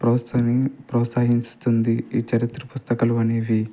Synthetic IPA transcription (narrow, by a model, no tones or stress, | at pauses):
pɾɐːɐnipɾɐːt̪saːɦiɲst̪und̪iiːt͡ʃɐɾit̪ɾɐpust̪ɐkɐluɐneːʋi